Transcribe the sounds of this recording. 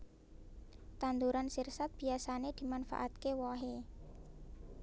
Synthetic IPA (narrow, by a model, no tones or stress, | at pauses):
t̪and̪uɾansirsat̪̚b̥i̤asaned̪̥i̤manfa̰ʔat̪̚kewɔɦe